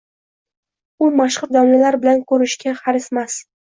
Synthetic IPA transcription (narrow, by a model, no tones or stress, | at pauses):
ʊmaʃχʊɾd̪awlalaɾbɪlankʰɵɾɪʃkʲaχaɾɪsmas